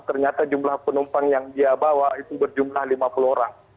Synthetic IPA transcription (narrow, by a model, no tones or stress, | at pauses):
t̪ərɲat̪ad͡ʒumlahpənumpaŋjaŋdiabawait̪ubərd͡ʒumlahlimapuluoɾaŋ